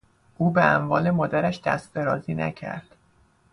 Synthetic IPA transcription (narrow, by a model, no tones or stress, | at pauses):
ʔuːbeæ̰ɱvɒːle̞mɒːd̪æɾæʃd̪̥æ̰st̪feɾɒːziːnæ̰cʰæ̰ɾd̪̥